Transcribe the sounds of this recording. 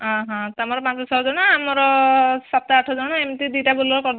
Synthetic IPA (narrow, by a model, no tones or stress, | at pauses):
ãɦãt̪amɔɾɔpãt͡sɔsʰɔɦɔd͡zɔnaamɔɾɔsat̪aaʈʰɔzɔnɔemt̪id̪uʈabolɔɾɔkɔɾ